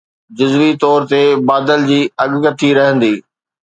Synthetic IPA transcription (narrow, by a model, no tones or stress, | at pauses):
d͡ʑʊzʋit̪ɔːɾt̪ebaːd̪əld͡ʑiːɐɠkət̪ʰiɾɐɦə̃nd̪iː